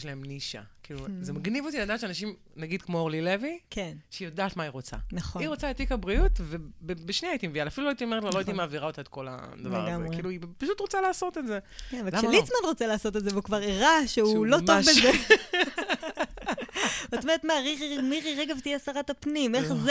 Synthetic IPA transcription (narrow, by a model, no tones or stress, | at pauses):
ʃlaemniʃa̰kiːluzemaɡnivot̪inad̪aːʃeanaʃim | naɡid̪kmooʁlilevikʰenʃeijodaːt̪maiʁot͡sa̰naχoiʁot͡saet̪ikabʁiut̪vebebeʃniaːjit̪imevialafiluloajit̪iomeʁetlaloait̪imaːviʁao̞t̪aet̪̚ko̞la̰d̪avlvḛʁɡameʁkeiːluipaʃut̪ʁot͡salaːso̞t̪etzekenvekʃelit͡smanʁo̞t͡selaːso̞t̪̬etzevukvaʁiʁaʃeulo̞tobeze | vatomeʁetmaʁiʁimiʁiʁeɡavt̪ijɛasaʁatapnimeχz